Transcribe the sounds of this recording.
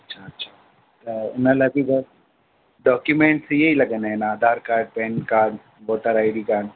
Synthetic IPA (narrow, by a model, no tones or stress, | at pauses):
ɐtːʃʰaɐtːʃʰa | t̪onɐlɐkiɡɐ | ɖɔːkjumẽːɳʈsejɐɦilɐɡenaɦɛnaːd̪ʱaːɾkaːɾɖ̚pẽnkaːɾɖ | ʋoːʈəɾaːɪɖikaːɾɖ